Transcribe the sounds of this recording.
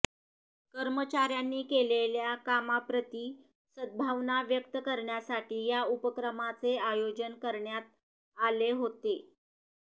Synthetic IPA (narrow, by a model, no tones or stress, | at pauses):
kəɾmət͡ɕaɾjanːiːkeleljakamapɾət̪iː | səd̪̚bʱaʋnaʋjəkt̪əkəɾɳjasaʈiːjaupəkɾəmat͡seajod͡ʑənkəɾɳjat̪̚ | aleɦot̪e